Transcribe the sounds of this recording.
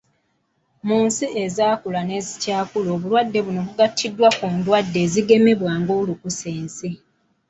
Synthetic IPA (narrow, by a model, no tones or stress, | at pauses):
muːnsiʔe̞zaːkulane̞ːzicaːkuloːβulwadːe̞βuno̞βuɡatʰːidːwakuːndwadːe̞ːziɡe̞me̞βwaːŋɡolukuseːnsi